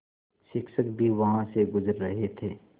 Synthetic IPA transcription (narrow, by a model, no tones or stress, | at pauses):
ʃɪkʃəkbʱiʋɐɦãseɡʊzəɾːɐɦet̪ʰeː